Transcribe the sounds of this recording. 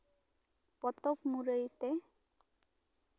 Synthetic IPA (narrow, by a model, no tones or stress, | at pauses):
pɔt̪okmuɾejt̪e